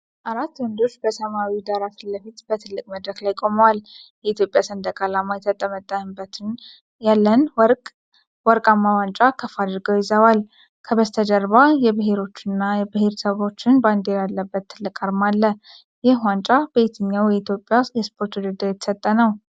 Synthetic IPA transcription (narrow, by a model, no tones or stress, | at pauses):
ʔaɾat̪ːwɔnd̪o̞t͡ʃːbəsəmawid̪aɾasɨlːəfit̪b̥ət̪ʰɨlːɨkʼməd̪ɾəklajkʼo̞məwaljɛit̪ʰjo̞pʼjasənd̪əkʼalamajɛt̪ʰət̪ʼəmət̪ʼːəbət̪n | jalːənʼ | wɔɾkʼamːawant͡ʃʼakʰəfad̪ɨɾɡəwjɪzəwal | kʰəβəzt̪ʰəd͡ʒəɾβajɛbɨɦe̞ɾo̞t͡ʃːɪnːajɛbɨɦe̞ɾsəβo̞t͡ʃːɪnband̪eɾjalːəbːət̪ʰːɨlːɨkʼaɾmalːə | jɛwant͡ʃʼab̥əet̪ʰɨɲːawjɛit̪ʰjo̞pʼːjajɛspʰo̞ɾt̪wɔd̪əd̪awjɛt̪ʰə̥sət̪ʼːənəw